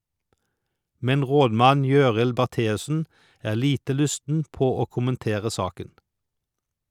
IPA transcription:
ˈmɛn ˈʁoːdˌmɑn ˈjøːʁɪl bæʁˈteːʉsn̩ ˈæːʁ ˈliːtə ˈlʉstn̩ ˈpoː ˈoː ˌkʊmənˈteːʁə ˈsɑːkən

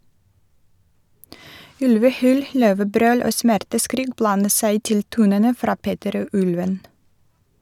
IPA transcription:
ˈʉlʋəˌhyːl ˈløːʋəˌbɾøːl ˈoː ˈsmæɾtəˌskɾiːk ˈblɑnə ˈsæɪ ˈtɪl ˈtuːnənə ˈfɾɑː ˈpeːtəɾ ˈoː ˈʔʉlʋən

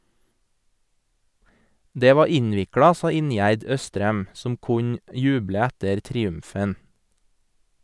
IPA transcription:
ˈdeː ˈʋɑː ˈɪɲʋɪkɹɑ ˈsɑː ˈɪnjæɾd ˈœstɾɛm ˈsɔm ˈkʊɲ ˈjʉːblə ˈɛtəɾ tɾɪˈʉmfən

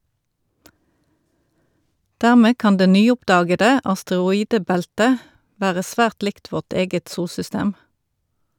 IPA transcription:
ˈdæʁˌmeː ˈkɑn ˈdeː ˈnyːˌʊpˌdɑːɡədə ɑstəʁʊˈiːdəˌbæltə ˈʋæːʁə ˈsʋæːʁt ˈlɪkt ˈʋɔʁt ˈeːɡət ˈsuːlsʏˌsteːm

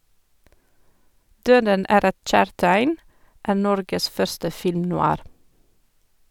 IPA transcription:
ˈdøːdən ˈæːɾ ˈɛt ˈc͡çæːɹtæɪn ˈʔæːɾ ˈnɔɾɡəs ˈfœɹstə ˌfɪlmnʊˈɑːɾ

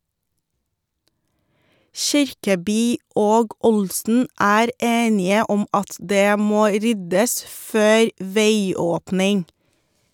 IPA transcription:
ˈʃɪɾkəˌbyː ˈoːɡ ˈʊlsn̩ ˈæːɾ ˈeːnɪə ˈɔm ˈɑt ˈdeː ˈmoː ˈɾʏdəs ˈføːɾ ˈʋeɪˌoːpnɪŋ

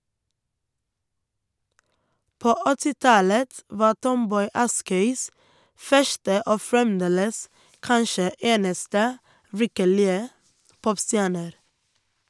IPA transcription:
ˈpoː ə ˈɔtɪ ˈtɑlət ˈʋɑː ˈʈɔmˌbɔʏ ˈɑskœʏs ˈfœʃtə ˈoː fɹɛmˈdeːləs ˈkɑnʃə ˈeːnəstə ˈʋɪkəɭɪə ˈpɔpˌstjæːɳəɾ

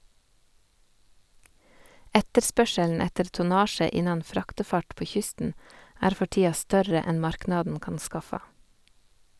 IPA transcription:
ˈɛtəɾˌspœʃəln̩ ˈɛtəɾ tʊˈnɑːʃə ˈɪnɑn ˈfɾɑːktɛˌfɑʈ ˈpoː ˈçʏstn̩ ˈæːɾ ˈfɔ ˈʈiːɑ ˈstœɾə ˈɛn ˈmɑɾknɑdn̩ ˈkɑːn ˈskɑfɑ

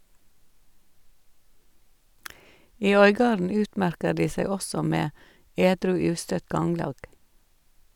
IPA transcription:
ˈiː ˈœʏˌɡɑːɾn̩ ˈʉːtˌmæɾkə ˈɖiː ˈsæɪ ˈɔsɔ ˈmeː ˈeːdɾʉː ˈʉːstœt ˈɡɑŋlɑːɡ

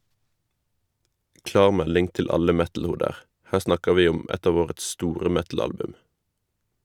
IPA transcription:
ˈklɑːʁ ˈmɛlɪŋ ˈtɪl ˈɑlə ˈmɛtl̩ˌhuːdəʁ ˈhæː ˈsnɑkəʁ ˈʋiː ˈʊm ˈɛt ˈɑːʋ ˈoːʁəts ˈstuːʁə ˈmɛtl̩ˌɑlbʉm

